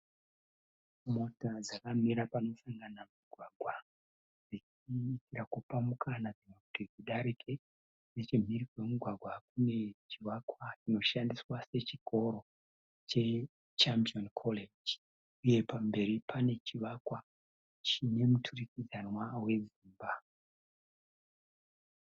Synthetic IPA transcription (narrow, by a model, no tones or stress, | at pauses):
mo̞tad͡zakamiɾapano̞saŋɡanamuɡʱwaɡʱwa | d͡zit͡ʃ | iːtirakupamukʰanad͡zinokutid͡ziɗaɾikʰe̞ | net͡ʃim̤iɾikwe̞muɡʱwaɡʱwakune̞t͡ʃiʋakwat͡ʃino̞ʃandiswase̞t͡ʃikʰo̞ɾo̞ | t͡ʃe̞ | t͡ʃampionkʰoled͡ʒ | uje̞pambe̞ɾipʰane̞t͡ʃiʋakwa | t͡ʃine̞mutʰurikid͡zanwawe̞ziːmba